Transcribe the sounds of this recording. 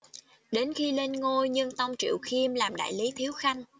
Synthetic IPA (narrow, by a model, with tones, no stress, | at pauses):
ɗe˨˦nxi˧le˧nŋo˧jɲɨ˧ŋt̪a˧wŋ͡mt͡ɕḭ˧˨wxi˧mlaː˨˩mɗa̰ː˧˨jli˨˦t̪ʰi˨˦əwxa˧jŋ̟